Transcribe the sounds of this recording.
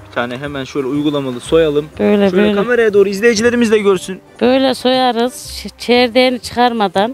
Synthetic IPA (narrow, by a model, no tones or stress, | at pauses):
it̪ʰaːnɛɦemænʃøjlʲɛujɡulˠamalˠɯsojalˠɯmb̥øjlʲɛoøɛjkʰameɾajad̪o̞ːɾuizlʲejed͡ʒilʲeɾimizd̪ɛɟøɾsynb̥øjlʲɛso̞jaɾɯz̥t͡ʃʰɛɾd̪enit͡ʃʰɯ̥xʰaɾmad̪an